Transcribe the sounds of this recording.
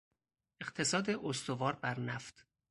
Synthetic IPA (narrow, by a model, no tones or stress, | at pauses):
e̞ɢ̥t̪ʰe̞sɒːd̪eʔost̪ovɒːɾbæɾnæft̪